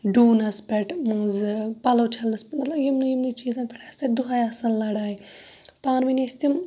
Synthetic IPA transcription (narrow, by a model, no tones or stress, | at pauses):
ɖuːnɐspʲɛʈmɨzpɐloːt͡ʃʰɐlnɐspʲɛʈmɐt̪lɐbjimnujimnit͡ʃiːzãnpʰʲɛʈʰaːsʲt̪eʈ̚d̪uɦajɐsɐnlɐɽaːipãːɾminʲest̪im